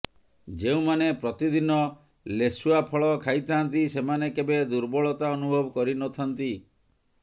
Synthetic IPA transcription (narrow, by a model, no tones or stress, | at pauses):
d͡ʒeũmanepɾɔt̪id̪inɔ | lesuapʰɔɭɔkʰajt̪ʰaant̪isemanekebed̪uɾbɔɭɔt̪aɔnubʱɔbɔkɔɾinɔt̪ʰant̪i